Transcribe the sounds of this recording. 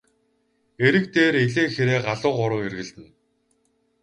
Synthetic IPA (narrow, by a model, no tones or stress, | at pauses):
eɾɘ̆kt̪eːɾeɮeːxeɾeːɢaɮʊːqʊɾʊːerɣɘ̆ɮt̪ɘ̆n